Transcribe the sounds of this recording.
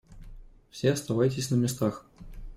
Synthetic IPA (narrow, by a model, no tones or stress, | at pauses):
fsʲeɐst̪avajtʲɪsʲnəmʲɪst̪ax